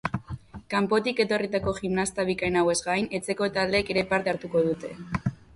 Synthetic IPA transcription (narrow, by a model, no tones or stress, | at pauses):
kampo̞t̪ike̞t̪o̞rit̪ako̞ʝimnast̪aβikajnawe̞zɡajne̞t͡se̞ko̞t̪aðleke̞ɾe̞paɾt̪e̞aɾt̪uko̞ðut̪e̞